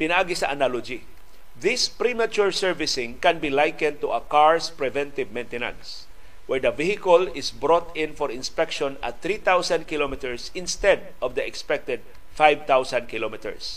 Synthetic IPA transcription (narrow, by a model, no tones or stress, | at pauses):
pɪnaʔaɡɪsɐʔɐnalod͡ʒi | ðɪspɾimat͡ʃuɹsɛɹvɪsɪ̃ŋkɛ̃nbilajkɛ̃nd̪̚t̪uɐkaɹspɹɛvɛ̃nt̪ɪvmɛ̃jnt̪ɛnã̰ns | wɛɹd̪ɐvihɪkəlɪsbɹɔt̪ɪ̃nfɔɹɪnspɛkʃɔ̃nɐ̰t̪θɾit̪awsãnd̪̚kɪlomɪt̪ɛɹsɪ̃nst̪ɛd̪̚ʔɔvd̪ɐɛkspɛk̚t̪ɛd̪̚ | fajvt̪awsãnd̪kɪlomɪt̪ɛ̰ɹs